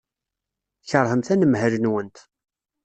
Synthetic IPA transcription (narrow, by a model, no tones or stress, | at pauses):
çəɾˤhəmθænəmɦæɾənwənt̪